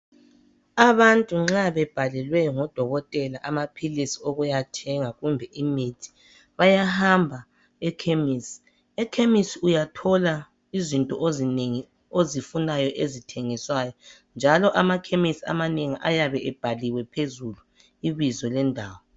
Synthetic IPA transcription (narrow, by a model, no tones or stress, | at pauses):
aβantʼuŋ͡ǁaβɛb̥ʱalɛlwɛŋɔd̥ʱɔɣɔtʼɛlaʔamapʰilisioɣujatʰɛŋaɣumbʱɛʔimitʰi̥ | βajahambʱa | ɛkʰemisi̥ | ɛkʰemisiujatʰɔla | izintʼɔʔozineŋi | ozifunajɔʔezitʰeŋiswajɔ | nd͡ʒʱalɔʔamakʰemisia̰maneŋiʔajaβɛʔɛb̥ʱaliwɛpʰezulu | iβizɔlɛndʱaːwɔ